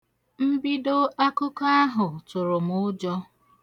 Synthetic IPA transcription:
m̩˦bi˦do˦ʔa˦kʊ˦ka˦a˦ɦʊ˨tʊ˨ɾʊ˨m̩ʊ˦d͡ʒɔ˦

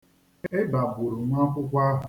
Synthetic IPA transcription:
e˦ba˨bʊ˨ɾʊ˨m˦a˦kʷʊ˦kʷa˦ɦʊ˨

